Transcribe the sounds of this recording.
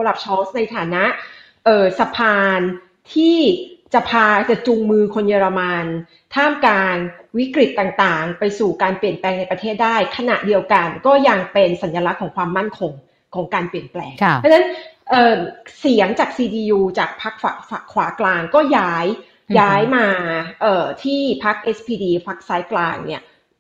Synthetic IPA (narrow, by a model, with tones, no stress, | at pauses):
o˧la˨˩p̚t͡ɕʰɔː˦˥sna˧jt̪ʰaː˩˦na˦˥ʔ | ʔɤː˨˩sa˧pʰaː˧n | t̪ʰiː˥˩t͡ɕa˨˩pʰaː˧t͡ɕa˨˩t͡ɕu˧ŋmɯː˧kʰo˧njɤː˧ɾa˧ma˧n | t̪ʰaː˥˩mkaː˧nwi˦˥kɾi˨˩t̪ːaː˨˩ŋt̪aː˨˩ŋpa˧jsuː˨˩kaː˧npli˨˩ənplɛː˧ŋna˧jpɾa˧t̪ʰeː˥˩t̪̚daː˥˩jkʰa˧na̰˨˩ʔdi˧əwka˧nkɔː˥˩ja˧ŋpe˧nsa˩˦njaː˧la˦˥kʰːɔː˩˦ŋkʰwaː˧mːa˥˩nkʰo˧ŋ | kʰɔː˩˦ŋkaː˧npli˨˩ənplɛ̰ː˧ŋʰa˥na˦˥nʔɤː˨˩si˨˩˦əŋt͡ɕaː˨˩k̚siː˧diː˧juː˧t͡ɕaː˨˩k̚pʰa˦˥k̚fa˨˩fa˨˩kʰwaː˩˦klaː˧ŋkɔː˥˩jaː˦˥j | jaː˦˥jmaː˧ʔɤː˨˩t̪ʰiː˥˩pʰa˦˥k̚ʔe˦˥spʰiː˧diː˧pʰa˦˥k̚saː˦˥jklaː˧ŋnḭ˥˩ɐ